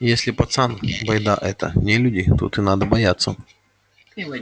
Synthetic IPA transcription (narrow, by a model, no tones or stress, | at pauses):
jesʲlʲɪpɐt̪sanbɐjd̪aʔɛt̪ə̰nʲelʲudʲɪt̪o̰t̪ɨnad̪əbɐjat̪sːə